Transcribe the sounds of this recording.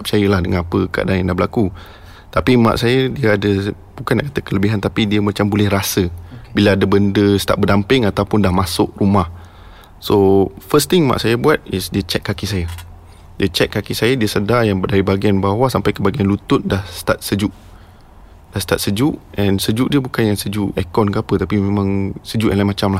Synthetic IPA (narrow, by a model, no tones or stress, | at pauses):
p̚t͡ʃajəlahdəŋanapəkəa̰danjãŋdahɦbəlaku | t̪apimã̰ʔsajədiəadə | bukanaʔkat̪əkələbiɦant̪apidiəmat͡ʃambolɛhrasəbilaadəbəndəsət̪a̰ʔ̚bərdampɪŋat̪awpʊndahmasʊʔ̚rumah | sofəst̪iŋma̰ʔsajabuat̪̚ɪsdiət͡ʃɛkkːakisaja | diət͡ʃɛʔ̚kːakisajadiəsədajaŋbədaɾibaɡianbawasampajkəbaɡianlut̪ʊt̪̚dahsə̥t̪at̪̚səd͡ʒuʔ | d̥ahst̪at̪̚səd͡ʒuʔʔɛ̃nsəd͡ʒuʔdiəbukanjaŋsəd͡ʒuʔɛkɔnkəapət̪apimemãŋsəd͡ʒuʔɛlajmat͡ʃamlah